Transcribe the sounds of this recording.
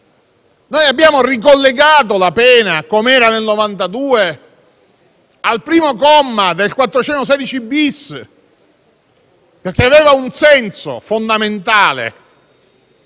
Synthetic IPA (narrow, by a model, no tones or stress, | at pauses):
nojabjaːmorik̬olːeɡaːt̪̬olapɛːnakomeɛːɾanelnovant̪ad̪uːe | alpɾiːmokɔmːad̪elkwat̪ːɾot͡ʃɛnt̪os̬ɛːd̪it͡ʃibis | perk̟eaveːvaunsɛnso̰fond̪ament̪aːlḛ